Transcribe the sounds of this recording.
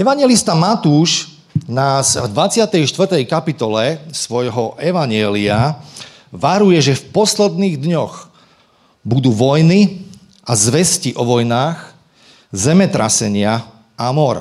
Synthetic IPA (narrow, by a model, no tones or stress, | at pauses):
ɛʋaɲɪjɛlist̪amat̪uːʃ | naːzvd̪ʋat͡sɪat̪ɛjʃt̪ʋr̩t̪ɛjkapit̪ɔlɛsʋɔjɦɔʔɛʋaɲɪɛlia | ʋaɾujɛʒɛfpɔslɛd̪niːɣd̪ɲɔx | bud̪uːʋɔjni | ʔazʋɛsciʔɔʋɔjnaːx | zɛmɛt̪ɾa̰sɛɲɪa | amɔɾ